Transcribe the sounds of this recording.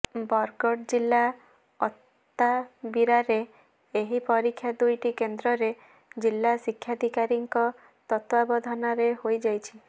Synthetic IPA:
bɔɾɡɔʈd͡ʒilːa | ɔt̪ː | abiɾaɾeː | ɦipɔɾikʰːjad̪ujʈikend̪ɾɔɾe | d͡ʒilːasikʰːjad̪ʱikaɾiŋkɔ | t̪ɔt̪wabɔd̪ʱɔnaɾeɦojd͡ʒajt͡ʃʰi̥

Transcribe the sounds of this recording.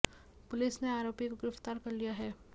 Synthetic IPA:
pʊlɪsneaːɾoːpikoɡɪɾɐft̪aːɾkɐɾlijaɦɛː

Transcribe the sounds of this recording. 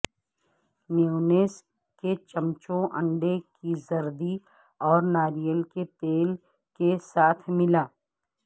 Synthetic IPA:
meoːneːs | ket͡ʃɐmt͡ʃõʔɐ̃ɳɖekizɐɾd̪i | ɔːɾnaːɾijəlket̪eːl | kesaːt̪ʰmɪlaː

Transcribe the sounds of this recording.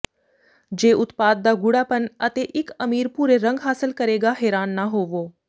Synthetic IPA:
d͡ʒeːʔʊt̪paːd̪̚ːaːɡʊɽaːpənət̪eːʔɪkəmiːɾpuːɾeɾə̃ŋɡɦaːsɪlkəɾeːɡaːɦɛːɾaːnːaːɦoːʋoː

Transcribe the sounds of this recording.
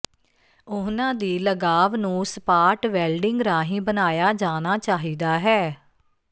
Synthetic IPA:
ʊnãːd̪iːləɡaːʋnũːspaːɾʈʋɛːlɖɪŋɡɾaːɦĩːbənaːjaːd͡ʒaːnaːt͡ʃaːɦiːd̪aːɦɛː

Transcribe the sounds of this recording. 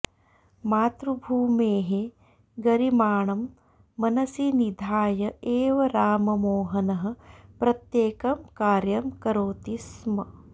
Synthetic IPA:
maːt̪ɾubʱuːmeːɦe | ɡɐɾimaːɳɐmː | ɐnɐsinid̪ʱaːjɐeːʋɐɾaːmɐmoːɦɐnɐɦɐ̆pɾɐt̪jeːkɐmkaːɾjɐmkɐɾoːt̪ismɐ

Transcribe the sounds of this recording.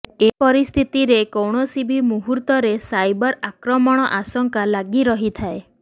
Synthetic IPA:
epɔɾist̪ʰit̪iɾekɔwɽ̃ɔsibʱimuɦuɾt̪ɔɾesajbɔɾakɾɔmɔɽ̃ɔʔasɔŋkalaɡiɾɔɦit̪ʰae

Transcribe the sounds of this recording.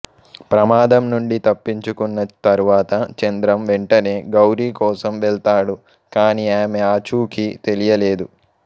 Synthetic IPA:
pɾɐmaːd̪ɐmnuɳɖit̪ɐpːiɲt͡ʃukunːɐt̪ɐɾuʋaːt̪ɐt͡ʃɐnd̪ɾɐmʋeɳʈɐne̞ːɡɐwɾiːkɔːsɐmʋɛɭt̪aːɽu | kaːniaːmeaːt͡ʃuːkʰit̪e̞lijɐle̞ːd̪u

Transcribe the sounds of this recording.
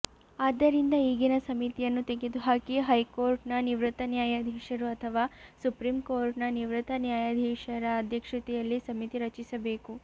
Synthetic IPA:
aːd̪ːɐɾind̪ɐiːɡinɐsɐmit̪ijɐnːut̪eɡed̪uɦaːkiɦɐjkoːɾʈnɐniʋɾɨt̪ːɐnjaːjaːd̪ʱiːʃɐɾuɐt̪ʰɐʋaːsupɾiːmkoːɾʈnɐniʋɾɨt̪ɐnjaːjad̪ʱiːʃɐɾɐːd̪ʱjɐkʂɐt̪ɛjɐlːisɐmit̪iɾɐt͡ʃisɐbeːku

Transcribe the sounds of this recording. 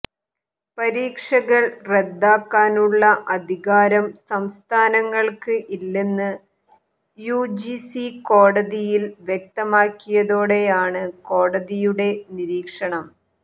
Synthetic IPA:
pɐɾiːkʂɐɣɐɭred̪ːaːkːaːnuɭːɐʔɐd̪ʱiɣaːɾɐmsɐmst̪ʰaːnɐŋːɐɭkɨʔilːenːɨ | jud͡ʑisiko̞ːɽɐðijilʋjek̚t̪ɐmaːkːijɐðo̞ːɽe̞jaːɳɨko̞ːɽɐðijuɽe̞niɾiːkʂɐɳɐm

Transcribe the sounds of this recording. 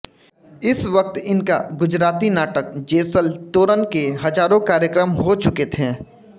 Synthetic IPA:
ɪsʋək̚t̪ɪnka̰ɡʊd͡ʒɾaːt̪inaːʈək̚d͡ʒeːsəlt̪oːɾənkeɦɐd͡ʒaːɾõkaːɾjəkɾəmɦot͡ʃʊket̪ʰeː

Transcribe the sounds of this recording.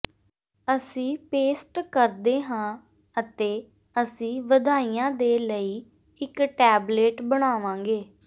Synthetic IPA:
əsĩːpeːsʈkəɾd̪eːɦãː | ət̪eː | əsĩːʋəd̪aːiːãːd̪eːləiː | ɪkʈɛːbleːʈbəɽ̃aːʋãːŋɡeː

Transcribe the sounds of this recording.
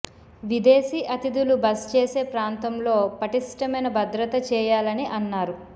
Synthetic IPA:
ʋid̪eːsiːʔɐt̪id̪ulubɐst͡ʃeːse̞ːpɾaːnt̪ɐmlo̞ːpɐʈiʂʈɐmɐjnɐbɐd̪ɾɐt̪ɐt͡ʃɛːjaːlɐniʔɐnːaːɾu

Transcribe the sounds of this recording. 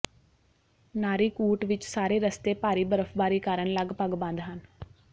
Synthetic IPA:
naːɾiːkuːʈʋɪt͡ʃsaːɾeːɾəst̪eːpaːɾiːbəɾəfbaːɾiːkaːɾəɳləɡpəɡbə̃nd̪ɦən

